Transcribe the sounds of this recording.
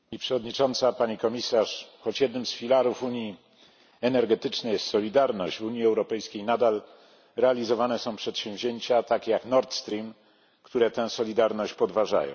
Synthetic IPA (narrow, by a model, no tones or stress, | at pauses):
ipʂɛvɔd̪ɲit͡ʂɔnt̪sapaɲikɔmʲisaʂxɔt͡ɕjɛd̪nɘmsfʲilaɾufuɲji | ɛnɛɾɡɛt̪ɘt͡ʂnɛssɔlʲid̪aɾnɔɕd͡ʑvuɲiɛwɾɔpɛjskʲejnad̪al | ɾɛalʲizɔvanɛsɔ̃w̃pʂɛt̪ɕɛ̃w̃vʑeɲt͡ɕat̪akʲjaknɔɾt̪st̪ɾʲim | kt̪uɾɛt̪ɛ̃w̃sɔlʲid̪aɾnɔɕt͡ɕpɔd̪vaʐa̰jɔ̰̃w̃